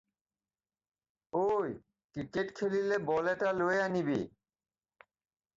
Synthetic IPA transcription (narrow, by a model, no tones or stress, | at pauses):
oj | kɾikeʈkʰelilebɔlɛʈaloeanibḛ